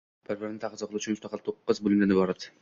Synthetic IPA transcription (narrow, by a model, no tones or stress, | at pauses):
b̥ɪɾbɪɾnɪt̪ʰaʁɨzɑqlˠuʊt͡ʃʰʊnmʊst̪ɑqʰɑlˠt̪ʰoqːɨzbʊlʲɪmd̪anɪbɒɾad̪ɪ